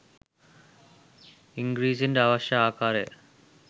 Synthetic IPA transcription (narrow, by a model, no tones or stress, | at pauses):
iŋɡɾiːsinɖaːʋɐɕjɐaːkaːɾe